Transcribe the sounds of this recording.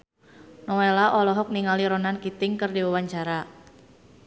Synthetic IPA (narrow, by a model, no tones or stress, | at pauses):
nɔwelaʔɔlɔɦɔk̚niŋaliɾɔnankit̪ɪŋkərdiwawaɲt͡ʃaɾa